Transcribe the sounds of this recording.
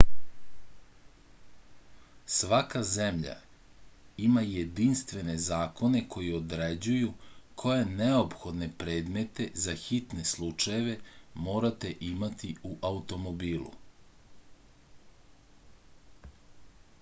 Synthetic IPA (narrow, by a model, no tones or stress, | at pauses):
sʋakazemʎa̰ | imajed̪inst̪ʋe̞ne̞zaːko̞ne̞kʰo̞jiod̪ɾed͡ʑujukʰo̞je̞neo̞pxo̞d̪ne̞pɾe̞ːd̪me̞t̪e̞zaxit̪ne̞slˠut͡ʃajeʋe̞mo̞ːɾat̪e̞ʔimat̪iuʔaut̪o̞mo̞biːlˠṵ